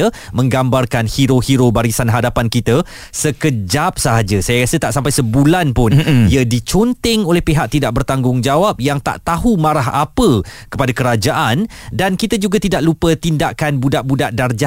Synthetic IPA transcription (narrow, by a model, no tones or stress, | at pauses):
ə | mə̃ŋɡambarkanhiɾohiɾobaɾisanɦadapankit̪ə | səkəd͡ʒap̚səɦad͡ʒəsajaɾasət̪aʔsampajsəbulanpʊniədit͡ʃont̪ɛŋolɛhpeɦaʔ̚t̪idaʔ̚bərt̪aŋɡʊŋd͡ʒawap̚jaŋt̪a̰ʔt̪aɦumãɾaɦapəkə̥padakəɾad͡ʒaʔan | dankit̪əd͡ʒuɡat̪idaʔlupət̪indaʔkanbudaʔbudaʔdard͡ʒa